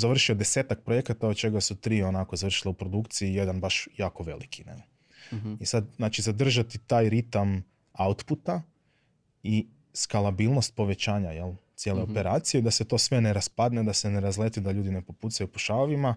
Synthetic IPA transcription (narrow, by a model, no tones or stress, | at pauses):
zaʋr̩ʃiod̪e̞se̞ːt̪ak̚pɾojekat̪aod̪t͡ʃe̞ɡasut̪ɾiːo̞nakozaʋr̩ʃilaupɾo̞d̪ukt̪siije̞d̪anbaʃjaːko̞ʋe̞̰likʰinḛ | isad̪znaːt͡ʃizad̪r̩ʒat̪it̪aːjɾit̪am | aut̪put̪a | i | skalabiːlno̞st̪̚po̞ʋe̞t͡ʃaːɲajelt̪sje̞ːle̞o̞pe̞ɾaːt̪sije̞id̪ase̞t̪o̞ːsʋene̞ɾaspad̪ned̪ase̞neɾazlet̪id̪aʎuːd̪ine̞po̞puːt̪sajupoʃaoʋima